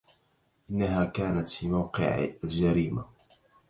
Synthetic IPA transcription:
ʔɪnːaɦaːkaːnat̪fiːmawqɪ̰ʕ̰ald͡ʒaɾiːma̰

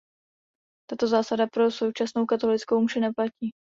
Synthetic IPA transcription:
t̪at̪o̞zaːsadapɾo̞so̞wt͡ʃasnowkat̪o̞lɪt͡skowmuʒɛnɛplaciː

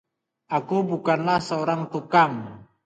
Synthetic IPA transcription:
ʔakubukanlahsəoɾaŋt̪ukam

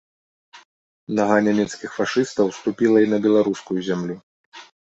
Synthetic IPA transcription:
naɣanʲɛmʲɛt̪skʲixfaʂɨst̪ɐwst̪upʲilˠɐinɐbʲɛlˠaɾuskujuzʲamlʲu

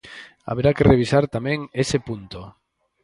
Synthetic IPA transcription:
a̰βeɾakereβ̞isaɾt̪amɛ̃ŋesepunt̪o

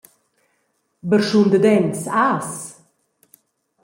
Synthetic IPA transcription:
bəɾʃund̪əd̪ɛnsaːs

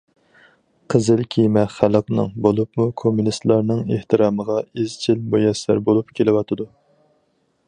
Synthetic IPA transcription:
qʰəzɨlkʲʰijmɛχæləqnɨ̰ŋbolˠupmukʰomːunist̪lˠɑɾnɨŋeht̪ʰɨɾɑːməʁɑezt͡ʃʰilmojɛsæ̰ɾbolˠupkʲʰelɪwɑt̪ʰɨd̪u

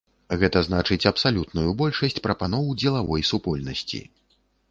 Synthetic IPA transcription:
ɣɛt̪ɐznat͡ʂɨt͡sʲɐpsalʲut̪nujubɔlʲʂɐsʲt͡sʲpɾɐpanɔwd͡zʲɛlˠavɔjsupɔlʲnɐsʲt͡sʲḭ

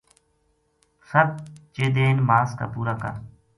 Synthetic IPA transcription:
səb̚t͡ʃeːd̪eːnmaːska̰ːpuːɾaːkə̰ɾ

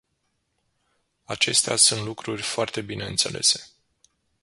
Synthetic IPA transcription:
at͡ʃe̞st̪ea̰sunt̪lukɾurʲfoart̪e̞bine̞ɨnt̪se̞̰lʔe̞̰se̞̥

